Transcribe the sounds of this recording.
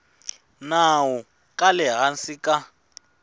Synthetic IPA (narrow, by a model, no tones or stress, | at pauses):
nawɔ | kʼalɛɦansika